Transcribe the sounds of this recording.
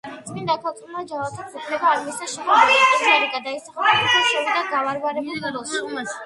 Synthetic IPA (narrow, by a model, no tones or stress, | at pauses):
sʼind̪akʰalt̪ʼʰulˠmad͡ʒavat̪ʰap̪upʰlɛbaːɾmisaʃɛɔsaɾiɡad̪aisaχakʰut̪ʰaʃɔɾid̪aɡavaɾvaɾɛulˠ